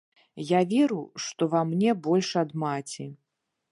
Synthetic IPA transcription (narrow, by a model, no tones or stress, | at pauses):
javʲɛɾuʂt̪ɔvamnʲɛbɔlʲʂɐd̪mat͡sʲi